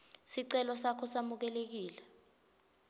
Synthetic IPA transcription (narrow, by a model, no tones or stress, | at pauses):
siǀɛlɔsakʰɔsamuk̬ɛlek̬iːlɛ